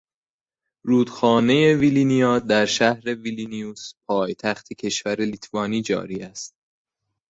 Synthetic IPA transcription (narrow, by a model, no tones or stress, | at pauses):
ɾuːd̪̥xɒːne̞je̞vilinijɒːd̪æɾʃæhɾe̞vilinijuspʰɒːjt̪ʰæxt̪ʰecʰe̞ʃvæɾelit̪ʰvɒːniːd͡ʒɒ̰ːɾiːæst̪̚